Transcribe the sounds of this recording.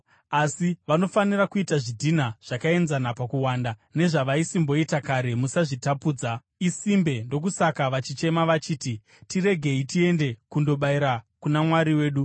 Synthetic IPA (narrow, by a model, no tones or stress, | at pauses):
asiʋano̞fanirakuitaʐidʱinaʐ̥akae̞nzanapakuwaːndane̞ʐaʋaisimbo̞itakaɾe̞musaʐitapuːd͡za | isimbe̞ndo̞kusakaʋat͡ʃit͡ʃe̞maʋat͡ʃiːti | tiɾe̞ɡʱe̞itie̞nde̞kundo̞ɓaiɾakunamwaɾiwe̞ːɗu